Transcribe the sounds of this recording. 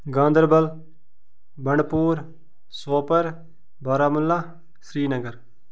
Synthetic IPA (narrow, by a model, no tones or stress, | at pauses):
ɡãːnd̪əɾbəl | bəɳɖpuːɾ | soːpəɾ | baːɾaːmʊlːaː | sɾiːnəɡəɾ